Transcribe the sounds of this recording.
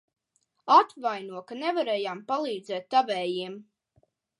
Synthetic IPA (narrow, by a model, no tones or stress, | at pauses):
at̪vajnuɔkanɛvaɾɛːjaːmpalˠiːd̪zɛːt̪ːavɛːjiɛm